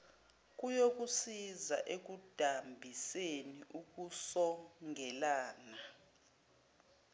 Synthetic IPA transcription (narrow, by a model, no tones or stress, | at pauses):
k̬ʼujok̬ʼusizaʔek̬ʼud̥ʱambʱiseniʔuk̬ʼusɔŋʱɛlaːna